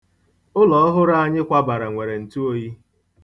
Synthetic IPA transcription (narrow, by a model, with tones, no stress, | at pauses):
ʊ˦lɔ˨ɔ˦ɦʊ˦ɾa˦a˦ɲɪ˦kʷa˦ba˨ɾa˨ŋʷe˨ɾe˨n̩˨tu˦o˦ji˦